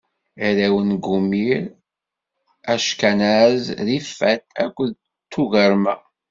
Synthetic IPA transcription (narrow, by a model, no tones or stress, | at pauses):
iɾæwənɡumiɾ | æʃkænæzðifːæt̪ækʷːð | t̪ːuɣəɾmæ